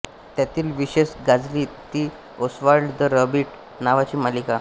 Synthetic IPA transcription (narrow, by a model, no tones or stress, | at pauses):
t̪jat̪iːlʋiɕesɡad͡zliːt̪iː | osʋaɾɖd̪əɾəbiʈ | naʋat͡ɕiːmalika